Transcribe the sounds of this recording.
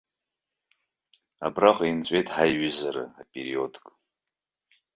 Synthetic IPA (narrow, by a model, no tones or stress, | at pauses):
a̰braqʷʼint͡sʷʼe̞jtʼħajɥizaɾɨ̰apʼeɾio̞dkʼ